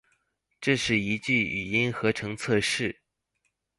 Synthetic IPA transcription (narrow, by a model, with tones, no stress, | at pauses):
ʈ͡ʂɤ˥˧ʂɻ̩˥˩i˧˥t͡ɕy˥˩y˨˩i˥nxɤ˧˥ʈ͡ʂʰɤ˧˥ŋt͡sʰɤ˥˧ʂɻ̩˥˩